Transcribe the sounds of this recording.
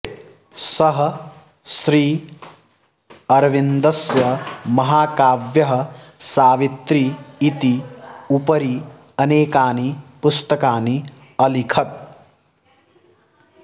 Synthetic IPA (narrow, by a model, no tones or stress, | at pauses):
sɐɦɐ̆ | ʃɾiː | ɐɾʋind̪ɐsjɐmɐɦaːkaːʋjɐɦɐ̆saːʋit̪ɾiːt̪iupɐɾi | ɐneːkaːnipʊst̪ɐkaːni | ɐlikʰɐt̪̚